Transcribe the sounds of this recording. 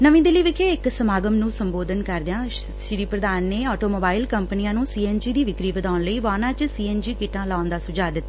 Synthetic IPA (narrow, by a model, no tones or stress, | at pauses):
nəʋĩːd̪ɪliːʋɪkʰeːɪksəmaːɡəmnũːsəmboːd̪ʱənkəɾd̪ɪãː | ʃɪɾiːpɾəd̪aːnːeːɔːʈoːmoːbaːɪlkəmpəniãːnũːsiːɛːnd͡ʒiːd̪iːʋɪkɾiːʋəd̪aːʊnləiːʋaːnãːt͡ʃsiːɛːnd͡ʒiːkɪʈãːlaːnd̪aːsʊd͡ʒaːd̪ɪt̪ːaː